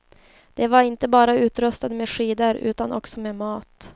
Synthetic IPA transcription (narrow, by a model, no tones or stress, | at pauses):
d̪̥ɛvaɾɪnt̪əbɑːɾaʉ̟ːt̪ɾɵst̪ad̪meːɧiːd̪əɾʉ̟ːt̪anʔɔksɔmeːmɑːt̪